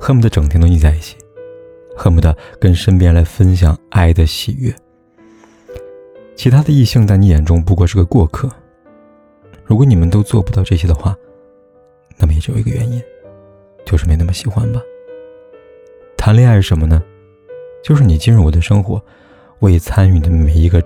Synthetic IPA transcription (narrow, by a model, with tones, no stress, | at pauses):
xɤ˥mu˧˩d̪ə˧ʈ͡ʂŋt̪ʰŋt̪o˥i˥˧˩t͡sa˥˧i˥˩t͡ɕʰi̥˨˩˦ | xɤ˥mu˧˩d̪ə˨kə˥nʂə˥npjɛ˥nla˧˥ɪfə˥nɕ̬jɑ˨˩ŋʔa˥˩ɪd̪ə˨ɕḭ˨˩ɥɛ̰˥˩ | t͡ɕʰi˧˥t̪ʰa˥d̪ə˨i˥˧ɕɑ˥˧ŋt͡sa˥˩ɪni˧˥jɛ˨˩nʈ͡ʂʊ˥ŋp̬u˧˥kwɔ˥˧ʂɻ̩˥˧˩ɡə˧kwɔ˥˧kʰɤ˥˩ | ɻu˧˥kwɔ˧˥ni˨˩mə˦nt̪o˥ʊt͡swɔ˥˩pu˧˥t̪ɑ˥˧ʊʈ͡ʂɤ˥˩ɕ̬jɛ˥d̪ə˧xwa˥˩ | na˥˩mə˩jjo˨˩˨i˧˥ɡə˧ɥɛ˧˥ni˥n | t͡ɕjo˥˧ʂɻ̩˩me˧˥ɪna˥˩mə˧ɕi˨˩xwa˦nbɐ˨ | t̪ʰa˧˥nli˥˧a˥˧ɪ˥˩ʂə˧˥nmə˧nə˩˨ | t͡ɕjo˥˧ʊʂɻ̩˥˩ni˨˩t͡ɕi˥nɻu˥˩wɔ˨˩d̪ə˦ʂɤ˥ŋxwɔ̰˧˥ | we˥˩iɪ˨˩t͡sʰa˥ny˨˩nd̪ə˦˥me˨˩ɪi˧˥ɡə˧